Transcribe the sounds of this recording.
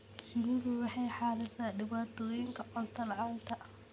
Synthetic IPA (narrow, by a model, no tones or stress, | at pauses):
ɡuɾʊwɑħɑjħɑːlɪsaːɖɪβaːt̪ʰɔːjɪŋkʰɐʔɔnt̪ʰɐlʕɑːɡt̪ʰɐʔ